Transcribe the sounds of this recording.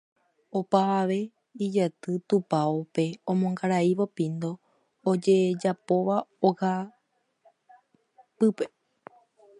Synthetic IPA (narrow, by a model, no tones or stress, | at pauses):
opaʋaʋe̞ | id͡ʒat̪ɨt̪upaope̞õ̞mõŋɡaɾaiʋopĩnd̪o̞ː | d͡ʒe̞d͡ʒapo̞ʋaoha | pɨpe